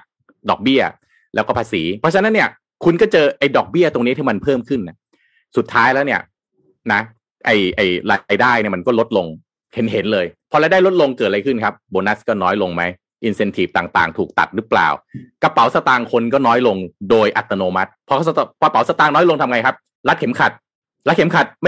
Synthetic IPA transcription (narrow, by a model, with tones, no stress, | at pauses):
dɔ̰ː˨˩k̚bi˥˩ɐ | lɛ̰˦˥wkɔː˥˩pʰaː˧siː˩˦pʰɔ˦˥t͡ɕʰa˧˦na˦˥nːi˥˩ɐ | kʰu˧nkɔː˥˩t͡ɕɤː˧ʔa˧jdɔː˨˩k̚bi˥˩ɐt̪o˧ŋni˦˥t̪ʰiː˥˩ma˧npʰɤː˥˩mkʰɯ˥˩nːa˦˥ | su˨˩t̪ʰːaː˦˥jlɛ˦˥wni˥˩ɐ | na˦˥ | ʔa˧˩jʔa˧˩jɾaː˧jdaː˥˩jni˥˩ma˧nkɔː˥˩lo˦˥t̪̚lo˧ŋ | he˩˦nɦe˩˦nlɤː˧jpʰɔ˧ɾa˧jda˥˩jlo˦˥t̪̚lo˧ŋkɤː˨˩t̪̚ɾa˧jkʰɯ˥˩nkʰa˦˥p̚boː˧na˦˥skɔː˥˩nɔː˦˥jlo˧ŋma˦˥j | ʔi˧nse˧nt̪ʰiː˨˩f̚t̪aː˨˩ŋt̪a̰ː˨˩ŋt̪ʰuː˨˩k̚t̪a̰˨˩t̪̚ɾɯ˦˥pla̰ː˨˩wka˧pa˩˦wsa˧t̪aː˧ŋkʰo˧nkɔː˥˩nɔː˦˥jlo˧ŋdoː˧jʔa̰˨˩t̪ːa˧noː˧ma˦˥t̪̚pʰːɔ˧kpʰɔ˧pa˩˦wsa˧t̪aː˧ŋnɔ˦˥jlo˧ŋt̪ʰa˧mŋa˧jkʰa˦˥p̚ | la˦˥t̪̚kʰe˩˦mkʰa˨˩t̪̚ | la˦˥t̪̚kʰe˩˦mkʰa˨˩t̪̚m